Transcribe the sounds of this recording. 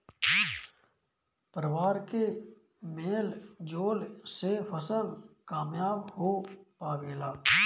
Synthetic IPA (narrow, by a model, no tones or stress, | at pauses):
pɾəwaːɾke | meːld͡ʒoːlsefʰəsəlkaːmjaːbhopaːbeːlaː